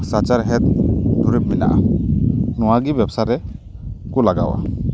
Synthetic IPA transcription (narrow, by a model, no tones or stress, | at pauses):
sat͡ʃaɾɦɛt̪̚dʱuɾɛb̚mina̰ʔa̰ | nɔwaɡibjabsaɾɛ | kulaɡa̰wa̰